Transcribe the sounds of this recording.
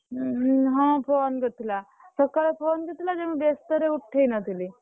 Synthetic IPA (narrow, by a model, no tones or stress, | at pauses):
ɦãːpʰoːnɡət̪ʰila | səkalepʰoːnɡət̪ilad͡ʒemibest̪əɾeuʈʰːenɐt̪ʰili